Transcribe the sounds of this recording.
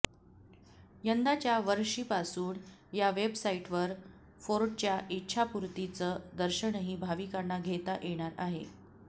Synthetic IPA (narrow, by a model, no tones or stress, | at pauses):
jənd̪at͡ɕjaʋəɾʂiːpasuːɳjaʋebsaiʈʋəɾ | foɾʈt͡ɕjaʔitːɕʰapuɾt̪it͡səd̪əɾɕəɳɦiːbʱaʋiːkəɾɳaɡʱet̪aʔeɽ̃aɾaɦḛ